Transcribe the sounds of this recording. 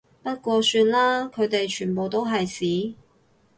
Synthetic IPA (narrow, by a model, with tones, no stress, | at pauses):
pɐ˥t̚kʷɔː˧syː˧n̚laː˥kʰɵ˨˧ɥt̪e˨jt͡ʃʰyː˨˩npo˨wt̪o˥wɦɐ˨jsiː˨˥